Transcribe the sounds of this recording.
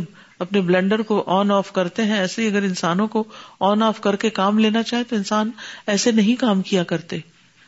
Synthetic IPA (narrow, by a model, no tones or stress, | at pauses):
m | ɐpneblɛ̃ɳɖəɾkoʔɔːnɔːfkɐɾt̪eɦɛ̃ɛːseɦiɐɡəɾɪ̃nsaːnõkoɔːnɔːfkɐɾkekaːmleːnat͡ʃaːɦet̪oɪnsaːnɛːsenɐɦĩkaːmkijakɐɾt̪e